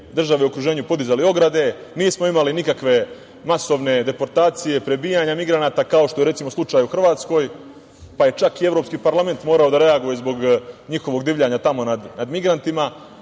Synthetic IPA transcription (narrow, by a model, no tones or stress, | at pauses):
d̪r̩ʒaʋeuokɾuʒe̞ːɲupo̞d̪izalio̞ɡɾad̪e̞niːsmo̞imalinikakʋe̞ | maso̞ʋne̞d̪e̞po̞ɾt̪aːt̪sije̞pɾe̞biːjaɲamiɡɾanaːt̪akao̞ʃt̪o̞jeɾe̞t̪simo̞slˠut͡ʃaːjuxr̩ʋaːt̪sko̞ːj | paje̞t͡ʃakie̞ʋɾo̞pskiːpaɾlame̞nt̪mo̞ːɾao̞d̪aɾe̞aɡujezbo̞ɡɲixo̞ʋo̞ɡd̪iːʋʎaɲat̪amo̞nad̪nad̪miɡɾant̪ima